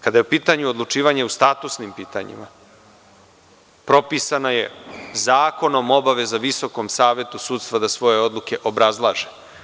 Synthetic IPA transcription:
kad̪ajeupiːt̪aɲuod̪lˠut͡ʂiːʋaɲeust̪aːt̪usnimpiːt̪a̰ɲḭma | pɾo̞pisanajezaːko̞nomo̞baʋe̞zaʋiso̞komsaːʋje̞t̪usuːt̪st̪vad̪asʋo̞je̞o̞d̪lˠuke̞ʔo̞bɾazlˠaːʒe

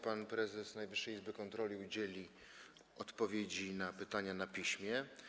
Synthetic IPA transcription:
panpɾɛzɛsnajvɘʂːɛjizbɘkɔnt̪ɾɔlʲiud͡ʑelʲi | ɔt̪pɔvʲjed͡ʑinapɘt̪aɲanapʲiɕmʲjɛ

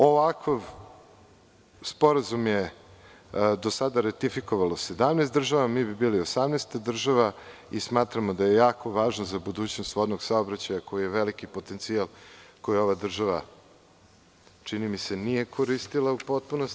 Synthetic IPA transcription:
o̞ʋakaʋ | spo̞ɾazumje | d̪o̞sad̪aɾat̪ifiko̞ʋalose̞d̪amnest̪d̪r̩ʒaʋamiːbibiːliosamnest̪d̪r̩ʒaʋaismaːt̪ɾamo̞d̪aje̞jaːkʰo̞ʋaːʒnozabud̪uːt͡ɕnost̪ʋod̪noɡsaobɾat͡ɕajako̞jijeʋelikipo̞t̪ent̪sialˠkojio̞ʋad̪r̩ʒaʋa | t͡ʂinimisenije̞kʰoɾist̪ilˠaupot̪̚punost̪

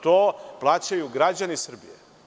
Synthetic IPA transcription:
t̪oːplˠaːt͡ɕajuɡɾad͡ʑanisr̩bije

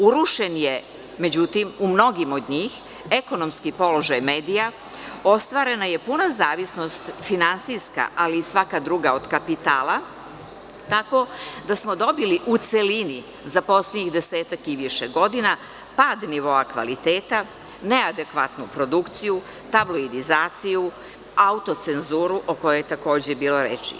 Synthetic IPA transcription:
uɾuʃe̞nje | med͡ʑut̪imumno̞ɡimo̞d̪ɲiːx | eko̞no̞mskipo̞lo̞ʒajmeːd̪ija | o̞st̪ʋaːɾe̞naje̞punazaːʋisno̞st̪finansiska̰ʔaliːsʋakad̪ɾuːɡaod̪̥kapit̪aːlˠa | t̪ako̞d̪asmo̞d̪o̞biliʔut̪selini | zapo̞sleɲixd̪eseːt̪akiʋiʃeɡo̞d̪ina | paːd̪niʋo̞akʋa̰lit̪eːt̪a | nead̪e̞kʋat̪nupɾo̞d̪ukt̪siju | t̪abloid̪izaːt̪siju | aut̪o̞t̪se̞nzuːɾuʔoko̞jojet̪ako̞ːd͡ʑebiːlo̞ɾḛt͡ʃḭ

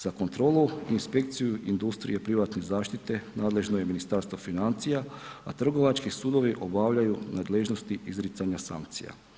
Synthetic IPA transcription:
z̥ako̞nt̪ɾo̞ːlˠuinspe̞kt̪sijuind̪ust̪ɾḭjepɾiʋat̪ne̞zaːʃt̪it̪e̞naːd̪le̞ʒnoje̞minist̪aːɾst̪ʋo̞finant̪sijaat̪r̩ɡo̞ʋat͡ʃkisuːd̪o̞ʋiʔo̞baʋʎajunaːd̪leʒno̞st̪iʔizɾit̪saɲasa̰ŋkt̪sḭja̰

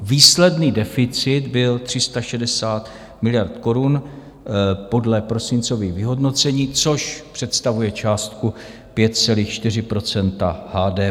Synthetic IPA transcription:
viːslɛdniːdɛfɪt͡sɪd̪bɪlt̪r̝̥ɪst̪aʃɛdɛsaːt̪ | mɪlɪjaɾt̪ko̞ɾun | po̞dlɛpɾo̞sɪnt͡so̞viːɣvɪɦo̞dno̞t͡sɛɲiːt͡so̞ʃpr̥ɛt̪st̪avujɛt͡ʃaːst̪ku | pjɛt̪̚t͡sɛliːxt͡ʃt̪ɪr̝ɪpɾo̞t͡sɛnt̪ahaːdɛː

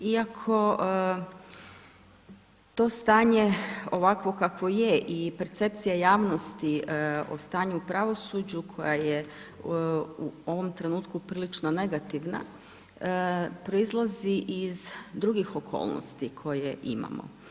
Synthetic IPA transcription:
iakʰo̞ | t̪o̞ːst̪aːɲeo̞ʋakʋo̞kakʋo̞jeʔipe̞ɾt̪se̞p̚t̪sijajaːʋno̞st̪io̰st̪aːɲuupɾaʋo̞sud͡ʑukʰo̞̰jaje | uo̞ʋo̞mt̪ɾe̞nuːt̪kupɾiːlit͡ʃno̞ne̞ɡat̪iʋna̰ | pɾo̞izlˠaziʔizd̪ɾuɡixo̞kʰo̞̰ːlˠno̰st̪ikʰo̞jeʔḭma̰mo̰

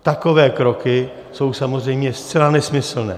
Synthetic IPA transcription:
t̪ako̞vɛːkɾo̞kɪ | so̞wsamozr̝ɛjmɲɛst͡sɛlanɛsmɪsl̩nɛ̰ː

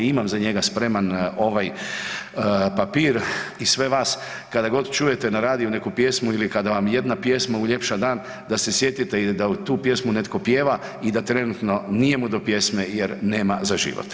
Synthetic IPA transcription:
imamzaɲe̞ɡaspɾe̞mano̞ʋaj | papiːɾisʋe̞ʋaːs | kad̪aɡo̞d̪t͡ʃuːje̞t̪e̞naɾaːd̪iune̞kupje̞smuilikad̪aʋamje̞d̪napje̞smauʎe̞pʃad̪aːn | d̪asesje̞t̪it̪e̞id̪aut̪uːpje̞smune̞t̪ko̞pje̞ːʋa | id̪at̪ɾe̞nut̪no̞nije̞mud̪o̞pje̞sme̞jeɾne̞ːmazaʒḭʋo̰t̪

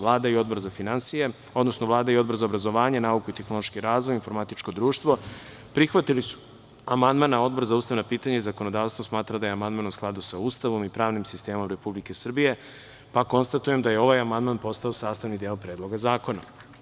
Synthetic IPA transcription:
lˠaːd̪aio̞d̪bo̞ɾzafinansije̞ | o̞d̪nosnoʋlˠaːd̪aio̞d̪bo̞ɾzaobɾazoʋaːɲenaːukuit̪exno̞lˠo̞ʃkiɾaːzʋo̞jinfo̞ɾmat̪it͡ʃko̞d̪ɾuːʃt̪ʋo̞ | pɾixʋat̪ilisu̥ | amand̪manao̞d̪bo̞ɾzauːst̪aʋnapiːt̪aɲaizako̞nod̪aːʋst̪ʋo̞smaːt̪ɾad̪ajeamand̪manusklˠad̪usaust̪aʋo̞mipɾaːʋnimsist̪e̞ːmo̞mɾe̞publike̞sr̩bije̞ | pako̞nst̪at̪uje̞md̪aje̞o̞ʋajamand̪maːnpo̞st̪ao̞saːst̪aʋnid̪eopɾeːd̪lˠo̞ɡazaːko̞na

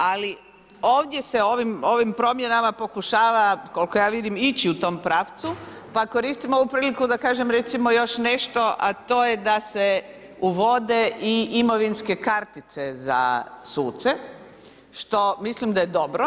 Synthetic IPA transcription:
ali | o̞ːʋd̪jeseo̞ʋimo̞ʋimpɾo̞mje̞namapo̞kuʃaːʋako̞lko̞jaːʋid̪imit͡ɕiut̪o̞ːmpɾaːft̪su | pako̞ɾiːst̪imo̞ʋupɾiːlikud̪akaːʒemɾet̪simo̞jo̞ʃne̞ʃt̪o̞ʔat̪o̞ːjed̪ase | uʋo̞d̪e̞ʔiimo̞ʋinske̞kaɾt̪it̪se̞za̰suːt̪se | ʃt̪o̞mislimd̪ajed̪o̞bɾo

